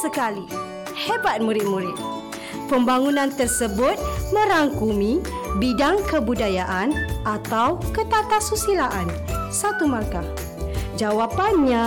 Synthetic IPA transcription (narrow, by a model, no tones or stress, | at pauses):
səkali | hebat̪̚muɾɪt̪̚muɾɪt̪̚ | pəmbaŋunãnt̪ərsəbʊt̪̚mə̃ɾaŋkumĩbidaŋkəbudajaʔanʔat̪awkət̪at̪asusilaʔan | sat̪umarka | d͡ʒawapanɲã